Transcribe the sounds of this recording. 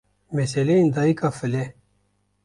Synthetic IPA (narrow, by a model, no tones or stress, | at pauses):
meseleind̪aikafəle